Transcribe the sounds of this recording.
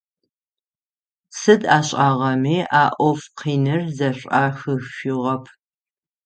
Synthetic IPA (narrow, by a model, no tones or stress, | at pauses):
sɨdaːɕʼaːʁɐmiːʔaːʔʷɔfqʰiːnɨrzɐɕʷʼaːxɨɕʷʊʁɐpʰ